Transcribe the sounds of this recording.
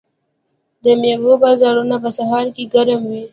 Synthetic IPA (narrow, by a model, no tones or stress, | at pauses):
d̪əmjewobɑzɑɾunapəsahɑɾkeɡaɾəmwi